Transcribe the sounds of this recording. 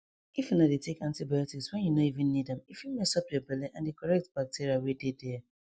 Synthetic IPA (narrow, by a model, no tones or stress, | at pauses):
ifinadetekãntibajɔtikswɛ̃njunoivĩnːidɛ̃mifjumesɔp̚debɛleʔãndekɔɹɛk̚tb̥ak̚tiɾiawedede